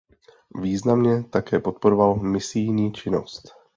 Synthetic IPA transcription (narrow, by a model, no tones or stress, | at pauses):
viːznamɲɛt̪akɛːpo̞t̪̚poɾovalmɪsɪjɲiːt͡ʃɪno̞st̪